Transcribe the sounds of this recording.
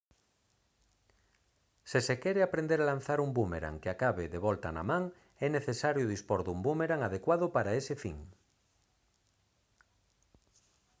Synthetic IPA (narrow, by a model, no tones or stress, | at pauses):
sesekeɾeapɾẽnd̪eɾalan̟θaɾumbumeɾa̰ŋkeakaβeðeβ̞ɔlt̪ana̰mãŋ | ɛneθesaɾjoðispoɾðumbumeɾaŋaðekwaðopaɾaesefḭŋ